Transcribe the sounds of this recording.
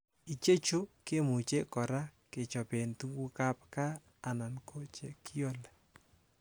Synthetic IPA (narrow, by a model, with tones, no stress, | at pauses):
i˨t͡ʃe˦t͡ʃo˦ke˦mu˨t͡ʃe˦kɔ˨ɾa˦ke˨t͡ʃɔ˨pe˨ntu˦ɡu˦ka˦p̚kaː˦˨ | na˨nkʰo˦t͡ʃe˨kʰi˦jo˦le